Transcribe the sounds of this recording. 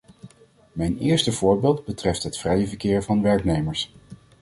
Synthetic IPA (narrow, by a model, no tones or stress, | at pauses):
mɛjnɪːɹstəv̥ʊːɹbɪːlˠd̚bətrɛftɦətfrɛjəvəɹkɪːɹvɑnʋɛɹknejməɹs